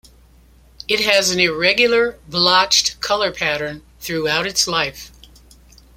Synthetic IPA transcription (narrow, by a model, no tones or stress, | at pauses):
ɨt̚ɦɨzɨ̃n̩ɪɹɛɡjl̩ˠə˞blɑt͡ʃtkʰʌlˠə˞pʰæɾə̃˞n | θɹuaʊɾɨtslaɪf